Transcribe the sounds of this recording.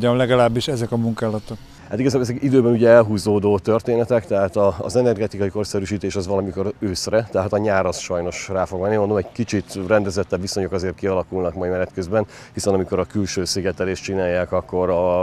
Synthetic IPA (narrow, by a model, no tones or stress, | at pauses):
ɒmlɛɡɒlaːbːiʃɛzɛkɒmuŋkaːlɒt̪okk | hat̪iɡɒzaːbolɛzɛkid̪øːbɛnuɟɛɛlɦuːzoːd̪oːt̪ø̞rt̪eːnɛt̪ɛkt̪ɛɦaːt̪ɒ̰ːzɛnɛrɡɛt̪ikɒjiko̞rsɛɾyʃiːt̪eːʃɒzʋɒlɒmiko̞ɾøːsrɛt̪ɛɦaːt̪ɒɲaːɾɒsʃɒjno̞ʃraːfo̞ɡmɛnːimond̪omɛɟ̥kit͡ʃit̪rɛnd̪ɛzɛt̪ːɛbʋiso̞ɲo̞kɒzeːrt̪kiɒlɒkulnɒkmɒimɛnɛt̪køzbɛn | hisɛnɒmiko̞ɾɒkylʃøːsiɡɛt̪ɛleːʃt͡ʃinaːjːaːkɒkːo̞ɾɒ